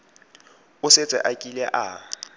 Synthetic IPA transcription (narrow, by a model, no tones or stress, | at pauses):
ʊset͡sʼɛ̰ʔakʼilɛʔa